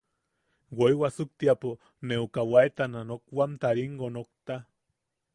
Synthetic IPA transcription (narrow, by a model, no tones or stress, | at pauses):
wojwasuk̚t̪iapo | neukawaet̪ananok̚wamt̪aɾiŋɡonok̚t̪a